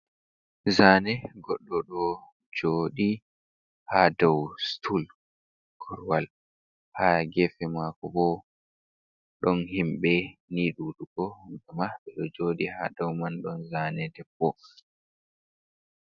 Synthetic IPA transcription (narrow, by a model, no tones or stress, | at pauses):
zaːnɛɡɔɗːɔɗɔ | d͡ʒoːɗi | hadawstʰul | ɡ̥ɔɾwal | haɡɛfɛmakɔbɔ | ɗɔnhimɓɛniːɗuɗuɡɔhuŋɡamaɓɛɗɔd͡ʒoːɗiha̰dawmanɗɔnzanɛdɛpːɔ